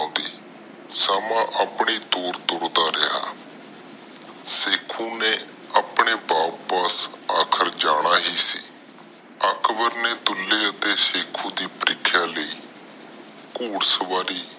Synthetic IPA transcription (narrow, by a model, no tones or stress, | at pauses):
d̪iː | samãːʔəpɽ̃iːt̪oːɾt̪ʊɾd̪aːɾɪɦa̰ː | seːkʰũːneː | əpɽ̃eːbaːpəsaːkʰəɾd͡ʒaːɽ̃aːɦiːsḭː | əkbəɾneːt̪ʊlːeːət̪eːseːkʰũːd̪iːpəɾʔɪkʰːjaːləiː | kuːɽsəʋaːɾiː